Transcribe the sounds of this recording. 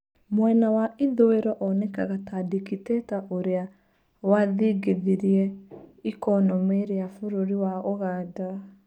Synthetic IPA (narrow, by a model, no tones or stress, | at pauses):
mwɛnawaiðoeɾɔʔɔnɛka̰ɣatadikitɛtaʔoɾea | waðiɡeðiɾiɛikɔnɔmeɾeafoɾoɾiwaoɣaːda